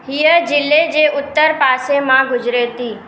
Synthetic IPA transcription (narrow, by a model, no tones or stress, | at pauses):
ɦijəd͡ʑɪlːed͡ʑeʔʊt̪ːəɾpaːsemãɡʊd͡ʒɾet̪iː